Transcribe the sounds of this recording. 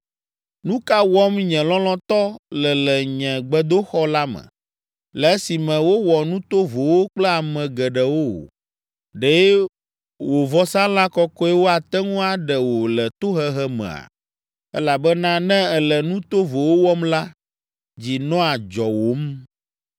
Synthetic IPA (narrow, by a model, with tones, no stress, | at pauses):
nũ˦ka˦wɔ˦mɲɛ̃˨lɔ̃˦lɔ̃˦t̪ɔ˦lɛ˨lɛ˨ɲɛ̃˨ɡ͡bɛ˦d̪o˦xɔ˦la˦mɛ̰̃˨ | lɛ˨e˦si˨mɛ̃˨wo˦wɔ˨nũ˦t̪o˦vo˨wo˦k͡plɛ˦a˨mɛ̃˨ɡɛ˨ɖɛ˨wo˦wo̰˨ | ɖe˨˦ | wo˨vɔ˦sã˦la˦kɔ˦kɔ˦ɛ˦wo˦a˨t̪ɛ˦ŋũ˦a˨ɖɛ˨wo˨lɛ˨t̪o˦ɦɛ˦ɦɛ˦mɛ̰̃˨a̰˨ | ɛ˦la˨bɛ˦nã˦nɛ̃˦ɛ˨lɛ˨nũ˦t̪o˦vo˨wo˦wɔ˦mla˦ | d͡ʑi˨nɔ̃˦a˨d͡ʒɔ˨wo˨˦m